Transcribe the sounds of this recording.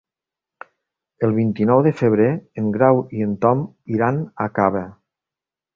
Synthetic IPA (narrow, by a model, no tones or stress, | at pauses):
əlˠβint̪inɔwðəfəβ̞ɾeːŋɡɾawiənt̪ɔmiɾanakaβə